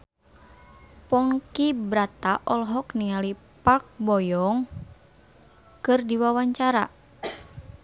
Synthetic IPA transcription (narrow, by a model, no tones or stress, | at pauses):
pɔŋkibɾat̪aʔɔlɦɔkniŋali | pak̚bɔjɔŋ | kɨrdiwawaɲt͡ʃaɾa̰